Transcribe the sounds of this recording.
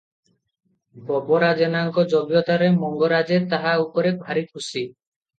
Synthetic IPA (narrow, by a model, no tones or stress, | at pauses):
bɔbɔɾad͡ʒenaŋkɔd͡ʒɔbjɔt̪aɾemɔŋɡɔɾad͡ʒet̪aɦaupɔɾebʱaɾikʰusi